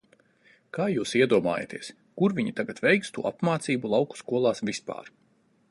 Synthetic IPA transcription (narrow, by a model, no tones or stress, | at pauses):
kaːjuːsiɛd̪uɔma̰ːja̰t̪iɛs | kuɾvʲiɲit̪aɡat̪vɛjkst̪ṵːʔapmaːt̪siːbulˠawku̥skuɔlˠaːsvispa̰ːɾ